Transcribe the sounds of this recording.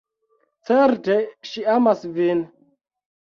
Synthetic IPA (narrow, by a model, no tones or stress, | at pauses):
t͡seɾteʃiamasvin